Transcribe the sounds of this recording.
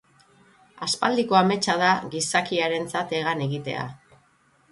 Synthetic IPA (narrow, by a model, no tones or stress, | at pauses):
aspald̪iko̞ame̞t͡ʃað̞aɣisakiaɾe̞nt͡sat̪e̞ɣ̞ane̞ɣit̪e̞̰a̰